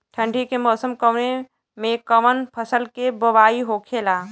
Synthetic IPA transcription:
ʈʰə̃ɳɖʱikemɔːsəmkəʋne | mẽkəmənpʰəsəlkebəʋaːiɦokʰeːlaː

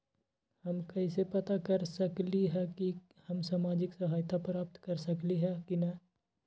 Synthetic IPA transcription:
hɐmkɐɪsepɐt̪akɐɾsɐkliɦɛki | hɐmsaːmaːd͡ʒɪksɐɦaːjt̪apɾaːp̚t̪kɐɾsɐkliɦɛkinɐ

